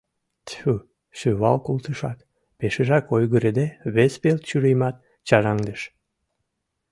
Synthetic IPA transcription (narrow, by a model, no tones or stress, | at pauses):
t̪u | ʃøβɑlkult̪əʃɑk | peʃəʒɑkojɣəɾed̪eβespelt̪t͡ɕyɾejmɑt̪̚ | t͡ɕɑɾɑŋd̪əʃ